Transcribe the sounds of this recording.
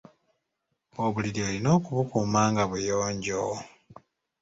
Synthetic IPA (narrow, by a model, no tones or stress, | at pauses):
oːβuliɾielino̞ːkuβukuːmaːŋɡaβujoːɲɟo